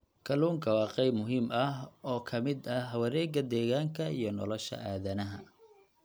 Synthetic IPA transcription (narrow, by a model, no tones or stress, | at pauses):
kʰɐluːŋkʰɐwɑːqɑjbmʊɦiːmɐɦɔːkʰɐmɪd̪ɐɦɐwɐɾɛːɡɐd̪ɛːɣaːŋkʰɐijɞnɔ̰lɔʃɐ̰ʔaːðɐnɐɦɐ